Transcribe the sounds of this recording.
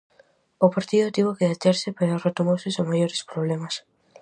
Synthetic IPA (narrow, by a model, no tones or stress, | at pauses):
opaɾt̪iðot̪iβokeðat̪eɾsɪpeɾaosret̪omosɪsoŋmaʎoɾɪspɾoβlemas